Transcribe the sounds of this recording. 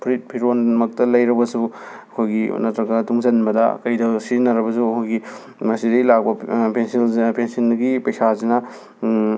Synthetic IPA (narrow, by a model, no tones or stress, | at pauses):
pʰɾit̚pʰiɾonmɐk̚tɐlɐjɾɐbɐsu | ɐkʰojɡḭnɐtɾɐɡɐtuŋzɐnbɐdɐ̰kɐjdɐsinɐɾɐβɐsuɐkʰojɡi | mɐsidejlak̚bɐpensilpensɐnɡipɐjsazinɐ